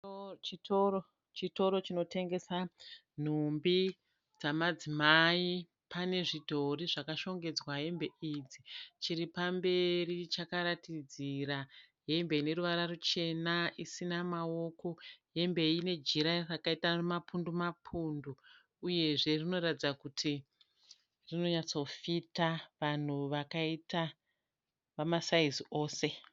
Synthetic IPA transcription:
t͡ʃito̞ɾo̞t͡ʃino̞tʰe̞ŋɡe̞sa | n̤umbi | d͡zamad͡zimai | pʰane̞ʐito̞riʐakaʃo̞ŋɡe̞d͡zwaɦe̞mbe̞ʔid͡zit͡ʃiɾipambe̞rit͡ʃakaɾatid͡zira | ɦe̞mbe̞ine̞ɾuʋaɾarut͡ʃe̞naisinamao̞ko̞ɦe̞mbe̞ine̞d͡ʒiɾarakaitamapundumapʰunduː | je̞ʐe̞rino̞ɾatid͡zakutʰi | rino̞ɲat͡so̞fitaʋan̤uʋakaita | ʋamasaizio̞ːse̞

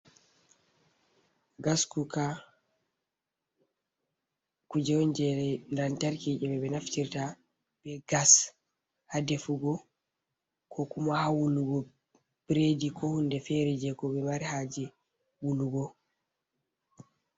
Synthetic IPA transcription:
ɡaskuka | kud͡ʒɛwɔɲd͡ʒɛɾɛndantaɾkiʔɛbɛbɛnaftiɾta | b̥ɛɡas | hadɛfuɡɔ | kʰɔkumahawuluɡɔ | b̥ɾedikʰɔhundɛfɛɾɛd͡ʒɛkɔbɛmaɾihad͡ʒɛ | wuluɡɔ

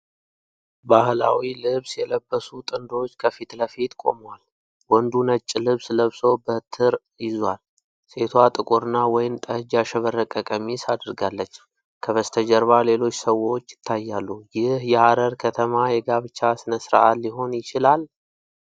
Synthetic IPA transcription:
bahla̰wilɨβsjɛləbːəsut̪ʼɨnd̪o̞t͡ʃːkʰəfit̪ləfit̪kʼo̞̰mwal | wɔnd̪unət͡ʃʼːɪlɨβsləβso̞bət̪ʰɨɾ | jɪzwal | se̞t̪ʰwat̪ʼɨkʼuɾɨnːawɔjɪmt̪ʼəhɨd͡ʒaʃɛβərːəkʼəkʼəmisad̪əɾɡalːət͡ʃː | kʰəβəst̪ʰəd͡ʒəɾβale̞lo̞t͡ʃːsəwo̞t͡ʃːjɪ̥t̪ʰːajːalːujɪhjɛhaɾəɾkʰət̪ʰəmajɛɡaβɨt͡ʃːasɨnəsɾa̰ʔalːiɦo̞njɪt͡ʃɪlal

